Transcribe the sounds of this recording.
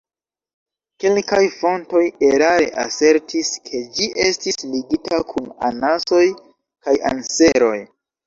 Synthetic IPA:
ke̞lkajfo̞nto̞je̞ɾaɾe̞̰ʔa̰se̞ɾtʰiskʰe̞d͡ʒiʔe̞stisliɡitakʰuna̰naso̞j | kaja̰nse̞ɾo̞j

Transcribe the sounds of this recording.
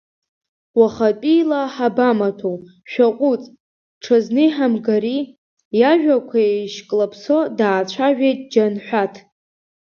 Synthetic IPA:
waχatʼijlaħabamatʰow | ʃᶣaqʷʼut͡sʼ | ʈ͡ʂʰaznɨħamɡaɾi | jaʒᶣakʷʰaejʃkʼlapʰso̞daːt͡ɕʷʰaʒᶣejtʼd͡ʒanħʷᶣatʰ

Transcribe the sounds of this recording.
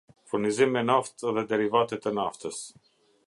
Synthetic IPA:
fuɾnizimɛnaft̪ðɛd̪ɛɾivat̪ɛt̪ənaft̪əs

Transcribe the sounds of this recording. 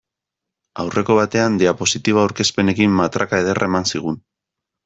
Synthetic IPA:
awrʔe̞ko̞β̞at̪e̞and̪eapo̞sit̪iβaːwɾke̞spe̞ne̞kimːat̪ɾakae̞ð̞e̞rʔaemansiɣ̞un

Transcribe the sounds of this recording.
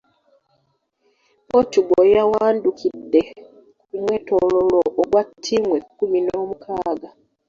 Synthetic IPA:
otuɡojawaːndukidːe̞ | kumwe̞tololoʔːɡwatʰːiːmwekːuminomukʰaːɡa

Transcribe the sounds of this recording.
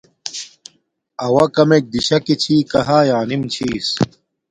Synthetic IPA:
ɐwɐkɐmek̚d̪iɕɐkit͡ɕʰiːkɐɦaːjaːnimt͡ɕʰiːs

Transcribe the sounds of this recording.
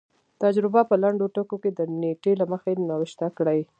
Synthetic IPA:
t̪ad͡ʒɾɪbapəlaɳɖoʈəkoked̪əneʈelaməxenawɪʃt̪akɽəj

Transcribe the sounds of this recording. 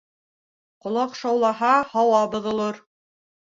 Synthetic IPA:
qŏlˠɑqʃɑwlˠɑɦɑhɑwɑbŏðŏlˠoɾ

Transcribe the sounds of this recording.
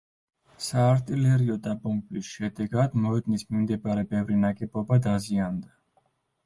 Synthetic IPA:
saːɾt̪ʼilɛɾiɔd̪abɔmbʼisʃɛd̪ɛɡad̪mɔɛd̪nismimd̪ɛbaɾɛbɛvɾinaɡʼɛbɔbad̪aziand̪a

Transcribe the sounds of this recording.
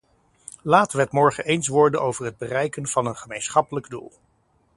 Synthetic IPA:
laːtəʋəɦətmɔɹχə̰ʔejnsʋɔɹdənʔowvəɹɦəd̚bərɛjkənv̥ɑnənχəmejnsχɑpələɡdṵlˠ

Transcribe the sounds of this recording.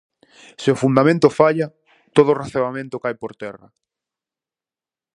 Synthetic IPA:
sɪʊfund̪amẽnt̪ʊfaʎa | t̪oð̞ʊreθeβamẽnt̪okajpoɾt̪ɛrɐ̰

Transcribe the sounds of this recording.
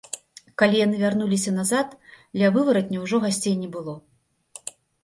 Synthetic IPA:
kalʲijanɨvʲarnulʲis̬ʲɐnazat̪d̪lʲɐvɨvɐɾɐt̪ʲnʲɛwʐɔɣasʲt͡sʲejnʲɛbɨlˠɔ

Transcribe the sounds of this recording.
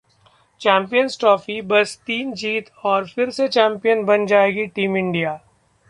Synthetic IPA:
t͡ʃɛ̃ːmpijənsʈɾɔːfibɐst̪iːnd͡ʒiːt̪ɔːɾfɪɾset͡ʃɛ̃ːmpijənbɐnd͡ʒaːeːɡiʈiːmɪ̃ɳɖijaː

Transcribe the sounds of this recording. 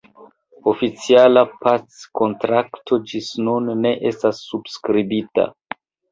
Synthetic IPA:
o̞fit͡sialapat͡sko̞ntɾaktʰo̞d͡ʒisnunːe̞ʔe̞stasːubskɾibita̰

